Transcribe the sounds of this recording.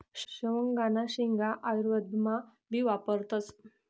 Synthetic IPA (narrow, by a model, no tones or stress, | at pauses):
ɕəʋəŋɡanaɕiŋɡaʔajɾʋəd̪ʱma | biʋapəɾt̪at͡s